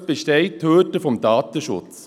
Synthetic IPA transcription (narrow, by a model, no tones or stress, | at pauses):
b̥eʃtɛɪtʰːøːtəfɔmdɑːtəʃʊ̰t͡s